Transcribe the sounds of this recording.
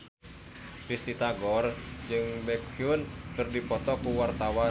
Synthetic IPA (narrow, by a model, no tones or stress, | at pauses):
dist̪it̪aɡɔrd͡ʒɨŋbɛkiʊnkɨrdipɔt̪ɔkuwart̪awa